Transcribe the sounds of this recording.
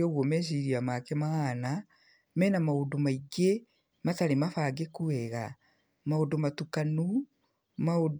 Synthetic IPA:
ɔɣɔmɛʃ̬iɾiamakɛmaana | mɛːnamaodomaiɡe | mataɾemafaːɡekuɛɣa | maodomatukanu | mao

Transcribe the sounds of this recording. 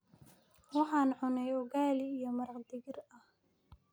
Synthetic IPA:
wɑħɑːnʕʊnɛjɔɣaːlɪːjɔmɐɾɑqd̪ɪɣɪrɐh

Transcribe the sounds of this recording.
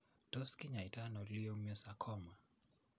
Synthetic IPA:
tɔskiɲaitanɔliɔmjɔsakʰɔma

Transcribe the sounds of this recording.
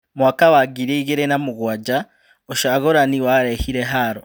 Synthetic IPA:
muakawaɡiɾeiɡeɾenamuɣwaɟa | oʃaɣoɾaniwaɾehiɾeɦaɾo

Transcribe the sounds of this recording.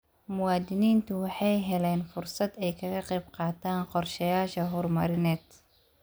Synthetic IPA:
mʊwaːd̪ɪniːnt̪ʰʊwɑħɑjɦɛlɛːnfʊrsɐd̪ɛjkʰɐɣɐqɛjb̚qɑːt̪ʰaːnqɔrʃɐjaːʃɐɦʊrmɐ̰ɾɪnɛːd̪

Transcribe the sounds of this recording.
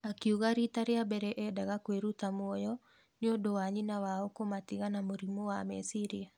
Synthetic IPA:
akiuɣaɾitaɾeabɛɾɛʔɛdaɣakweɾut̪amwɔjɔ | nɪodowaɲinawaokomatiɣanamoɾimowamɛ̰siɾia

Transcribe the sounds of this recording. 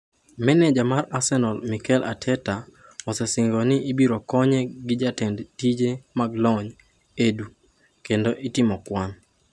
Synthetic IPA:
mɛnɛd͡ʒamarasɛnɔlmikɛla̰tʰɛta | ɔsɛsɪŋɡɔnɪʔːbiɾokɔɲɛɡɪd͡ʒatɛndtid͡ʒemaɡlɔɲ | edu | kendoʔitɪmɔkwan

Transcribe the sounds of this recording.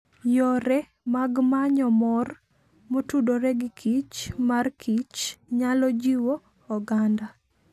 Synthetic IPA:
jɔɾɛ | maɡmaɲɔmɔr | motudoɾɛɡɪkʰit͡ʃmarkʰit͡ʃɲalɔd͡ʒiwoː | ɡanda

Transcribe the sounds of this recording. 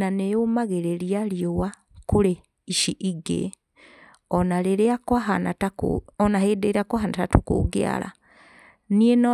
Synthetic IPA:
aneomaɣeɾeɾiaɾiowa | koɾe | iʃiʔiɡḛ | ɔnaɾeɾeakwaɦanatakɔnahedeɾakwaɦanatatukṵɡḛa̰ɾa̰ | nienɔ

